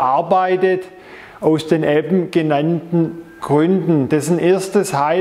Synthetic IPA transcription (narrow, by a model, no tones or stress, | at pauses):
ʔaɐbaɪtət | ʔaʊsd̥eːnʔɛbm̩ɡ̥ənantn̩ɡ̥ʁʏndn̩d̥ɛsn̩ʔeːɐstəshaɪ